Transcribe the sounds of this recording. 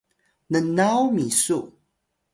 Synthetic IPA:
nənawmisu

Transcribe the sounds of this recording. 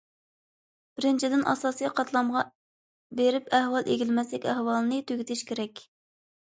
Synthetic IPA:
b̥ɪɾɪnt͡ʃʰid̪ɪnʔɑ̰sɑːsijqʰɑt̪lˠɑmʁɑ | beɾɪpæhwɑlˠʔeɡʲilmɛsɛkʲɛhwɑlˠnɨt̪ʰøɡʲit̪ʰɪʃkʲʰeɾɛkʲ

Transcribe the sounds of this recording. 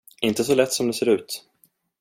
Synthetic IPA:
ɪnt̪əsɔlɛt̪ːsɔmd̪ɛseːɾʉ̟ːt̪

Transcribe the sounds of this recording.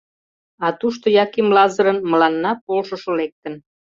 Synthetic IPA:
ɑt̪uʃt̪ojɑkimlɑzəɾənməlɑnːɑpolʃəʃŏlek̚t̪ən

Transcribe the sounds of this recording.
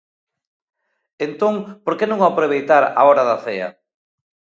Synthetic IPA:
ent̪oŋpoɾkenõŋapɾeβejt̪aɾa̰ɔɾaðaθeɐ̰

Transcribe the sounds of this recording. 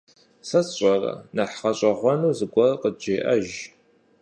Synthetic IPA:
sɐsɕʼɐrɐ̰nɐħχɐɕʼɐʁʷɔnuːzɨɡʷɔrqəd͡ʒeːʔɐ̰ʒ

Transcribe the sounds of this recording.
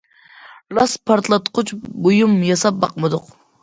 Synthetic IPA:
lɑspʰɑɾt̪lˠɑt̪qʰʊt͡ʃbojumjɑsɑp̚bɑqmɨd̪ʊq

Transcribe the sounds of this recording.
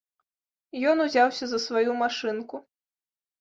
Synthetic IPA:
jɔnuzʲawsʲɐzɐsvajumaʂɨnku

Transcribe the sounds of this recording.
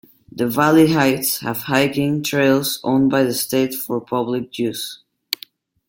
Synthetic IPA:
ðəvæliɦaɪtshɨ̰v̥haɪkɪ̃ŋtʰɹ̥eɪlˠzõ̰ʊ̃nbaɪðəsteɪtfə˞pʰʌblɪk̚d͡ʒʉs

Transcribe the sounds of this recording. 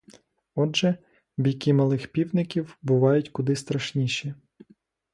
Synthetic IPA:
ɔdʒɛ | bʲijkɪmɐlˠɪxpʲiwnɪkʲiwbʊʋɑjʊtʲkʊd̪ɪst̪ɾɐʃnʲiʃʲi

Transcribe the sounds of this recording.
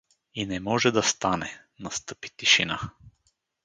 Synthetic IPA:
inɛmɔʒɛd̪ɐst̪anɛ | nɐst̪ɤpi̥t̪iʃina

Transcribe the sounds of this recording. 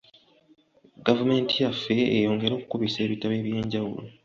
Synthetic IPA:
ɡavume̞ːntijafːe̞ːjo̞ːŋɡe̞ɾo̞ːkukuβise̞ːβitaβe̞ːβje̞ːɲɟawṵlo

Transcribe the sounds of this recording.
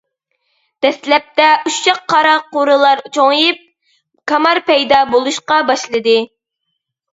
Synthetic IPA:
d̪̥ɛslɛp̚t̪ɛʔuʃt͡ʃɑqʰːɑɾɑqoɾɨlˠɑɾt͡ʃʰoŋjip̚ | kʰɑmɑɾpɛjd̪ɑbolˠuʃqɑbɑʃlˠɨd̪ɨ

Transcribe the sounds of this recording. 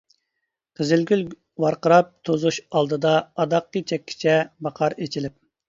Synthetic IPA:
qʰəzɪlɡʲyl | wɑɾqəɾɑp̚t̪ʰozuʃɑlˠd̪ɨd̪ɑːd̪ɑqːit͡ʃʰɛkʲʰːi̥t͡ʃʰɛbɑqʰɑɾet͡ʃʰilɪp̚

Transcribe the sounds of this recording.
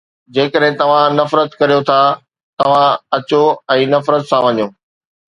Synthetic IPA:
d͡ʑeːkəɗɦɪ̃t̪ɐʋ̤ãnɐfɾət̪kɐɾijot̪ʰa | t̪ɐʋ̤ãɐt͡ɕoɛ̃ːnɐfɾət̪sãʋɐɲoː

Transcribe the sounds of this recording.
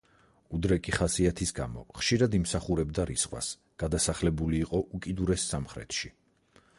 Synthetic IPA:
ud̪ɾɛkʼiχasiat̪ʰisɡamɔ̰χʃiɾad̪imsaχuɾɛbd̪aɾisχwa̰s | ɡ̥ad̪asaχlɛbuliːqʼɔʔukʼid̪uɾɛsːamχɾɛ̰t̪ʃi

